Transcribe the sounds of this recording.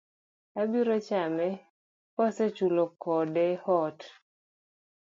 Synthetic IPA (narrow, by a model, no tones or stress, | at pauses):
abiɾɔt͡ʃamɛ | pɔset͡ʃulokɔdɛhɔt